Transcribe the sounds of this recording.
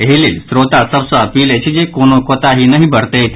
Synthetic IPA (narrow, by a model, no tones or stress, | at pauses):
ɦelelsɾot̪asəbsəəpilet͡ʃʰid͡ʒekonokot̪aɦinəɦibəɽt̪et̪